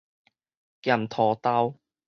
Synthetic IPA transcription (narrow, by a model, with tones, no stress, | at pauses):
ka˨˩mt̪ʰɔː˨˩t̪a˥w